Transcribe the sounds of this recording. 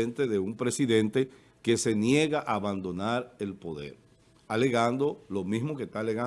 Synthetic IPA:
ent̪e̞ðe̞umpɾe̞siðe̞nt̪e̞ | ke̞se̞nje̞ɣaʔaːβand̪o̞naɾe̞lpo̞ðe̞̰ɾ | ale̞ɣand̪o̞lo̞mizmoke̞st̪aleɣa

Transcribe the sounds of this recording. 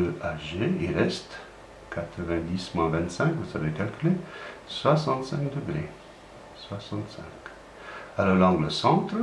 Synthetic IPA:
əʔaʒeiʁɛst̪ | kat̪χəvɛ̃d̪ismwɛ̃vɛ̃nt̪sɛ̃kvuzavekalkʲyleswasɑ̃t̪sɛ̃kd̪əɡʁḛ | swasɑ̃t̪sɛ̰̃k | alɔaʁlɑ̃ɡləsɑ̃t̪χ

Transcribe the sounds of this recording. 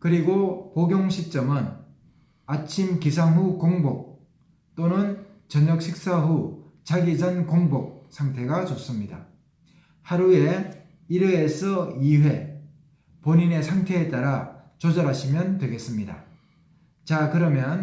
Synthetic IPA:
kɯɾiɡopoɡjoŋɕʰit͡ɕ͈ʌmɯn | at͡ɕʰimkisʰaŋɦukoŋbok̚ | t͈onɯn | t͡ɕʌɲʌk̚ɕʰik̚s͈aɦu | t͡ɕaɡid͡ʑʌnkoŋbok̚sʰaŋtʰe̞ɡat͡ɕos͈ɯmɲida̰ | haɾue̞ | iɾeːsʰʌiɸwe̞ | poɲine̞sʰaŋtʰe̞et͈aɾa | t͡ɕod͡ʑʌɾɦaɕʰimjʌntwe̞ɡe̞s͈ɯmɲida̰ | t͡ɕakɯɾʌmjʌn

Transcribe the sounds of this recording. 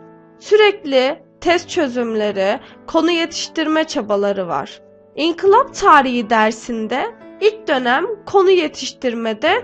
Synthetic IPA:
syɾɛclʲit̪ʰɛst̪̚t͡ʃʰø̞zymlʲe̞ɾikʰo̞nuje̞t̪ʰi̥ʃt̪iɾmɛt͡ʃʰabalˠaɾɯva̰ɾ̥ | iŋkʰilˠapt̪ʰaːɾiɦid̪æɾsind̪ɛilʲc̚d̪ø̞næmkʰo̞nujet̪ʰiʃt̪iɾmed̪ɛ

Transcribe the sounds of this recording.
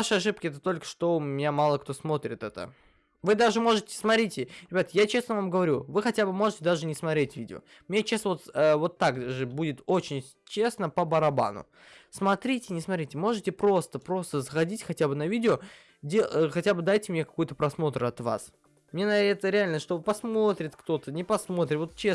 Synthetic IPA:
vaʂɨɐʂ̬ɨp̚kʲɪɛt̪ət̪o̞lʲkə̥ʂt̪o̞mʲɪnʲamalˠəkt̪o̞smo̞t̪ɾʲɪt̪ɛt̪ə̰ | vɨd̪aʐɨmo̞ʐɨtʲɪ̥smɐt̪ɾʲitʲɪɾʲɪbʲat̪jat͡ɕe̞snəvamɡəvɐɾʲuvɨxɐtʲabɨmo̞ʐɨtʲɪd̪aʐɨnʲɪsmɐt̪ɾʲetʲvʲidʲɪo̰ | mnʲet͡ɕest̪əvot̪əvo̞t̪ːakʐɨbudʲɪt̪o̞t͡ɕɪnʲ | t͡ɕe̞snəpəbəɾɐba̰nʊ̰ | smɐt̪ɾʲitʲɪnʲɪsmɐt̪ɾʲitʲɪmo̞ʐɨtʲɪpɾo̞st̪əpɾo̞st̪əzəxɐdʲitʲxɐtʲabɨnɐvʲidʲɪo | dʲexɐtʲabɨd̪ajtʲɪmnʲekɐ̥kojt̪əpɾɐsmo̞t̪ɾɐt̪va̰s | mnʲenɛt̪əɾʲɪalʲnəʂt̪o̞bɨpɐsmo̞t̪ɾʲɪt̪kt̪o̞t̪ənʲɪpɐsmo̞t̪ɾʲɪt̪vo̞t̪̚t͡ɕːe

